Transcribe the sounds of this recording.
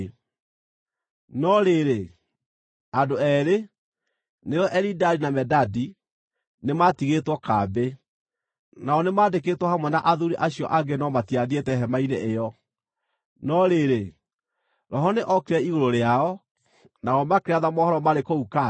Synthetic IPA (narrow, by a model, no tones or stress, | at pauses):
nɔɾeɾe | adoɛɾe | neɾɔʔɛɾidaɾinamɛdadi | nematiɣetwɔkabe | naɔnemaːdeketwɔhamwɛnaʔaðuɾiʔaɕjɔ̰ʔaɡenɔmatiadietɛɦɛmaineʔejɔ | nɔɾeɾe | ɾɔɦɔneʔɔkeɾɛiɣoɾoɾeaɔ | naɔmakeɾaðamɔhɔɾɔmaɾekouka